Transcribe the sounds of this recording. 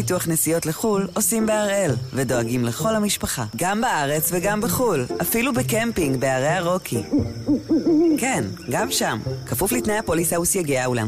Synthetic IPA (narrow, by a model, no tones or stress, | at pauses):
ituaχnesijo̞tleχulo̞simbeaʁe̞lvedo̞aɡimleχo̞lhamiʃpaχaɡambaʔaʁe̞t͡sveɡambeχulʔafilubekempiŋɡbeaʁeaʁo̞kʰi | kenɡamʃamkafuflitnejapolisausjaɡiaula̰m